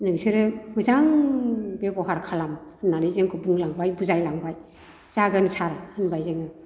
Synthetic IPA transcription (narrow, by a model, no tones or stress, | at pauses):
nɯŋseɾɯmɯzaŋbebɔɦaɾkʰalamɯnːaɾizeŋkʰɯbuŋlaŋbajbuzajlaŋbaj | z̥aɡɯnsʰaɾaɯnbajzeŋɯ